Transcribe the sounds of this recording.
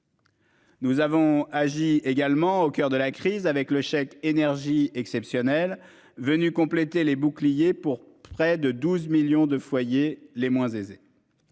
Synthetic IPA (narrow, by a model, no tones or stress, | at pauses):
nuzavɔ̃aʒieɡalmɑ̃okʲœʁd̪əlakχizavɛkləʃɛkenɛʁʒiɛksɛpsjɔnɛl | vənykɔ̃plet̪elebuklijepuʁpχɛd̪əd̪uzmiljɔ̃d̪əfwajelemwɛ̃zeze